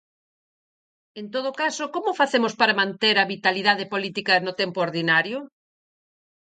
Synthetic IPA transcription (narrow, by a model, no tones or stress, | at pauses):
ent̪oð̞okasokomʊfaθemospaɾɐmãnt̪eɾɐβit̪aliðaðepolit̪ikɐnʊt̪empooɾðinaɾjʊ